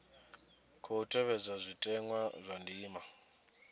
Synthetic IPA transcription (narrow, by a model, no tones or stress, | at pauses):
kʰɔutʰʼɛβɛd͡zazʷitʼɛŋwazʷandiːma